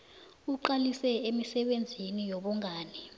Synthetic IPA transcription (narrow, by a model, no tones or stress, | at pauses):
uǃalisɛemisɛɓend͡zʱinijɔɓɔŋʱaːni